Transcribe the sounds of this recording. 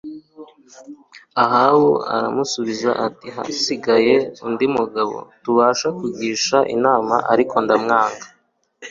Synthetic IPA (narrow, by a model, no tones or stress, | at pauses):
aɦawoa̰ɾa̰musuβiza̰ʔatiɦa̰siɡaje̞undimuɡaβo̞̰tuβaːʃakuɡiːʃaʔḭnaːmaʔaɾikʰo̞ndamŋaːŋɡḁ